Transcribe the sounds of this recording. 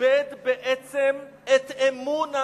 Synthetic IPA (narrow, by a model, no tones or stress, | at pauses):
ɛd̪beʔɛt͡semet̪emuna